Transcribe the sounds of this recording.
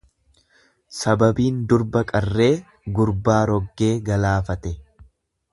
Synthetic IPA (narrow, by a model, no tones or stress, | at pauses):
sɐbɐbiːnd̪ʊɾbɐkʼɐrːe̞ː | ɡʊɾbaːɾɔɡːe̞ːɡɐlaːfɐt̪ɛ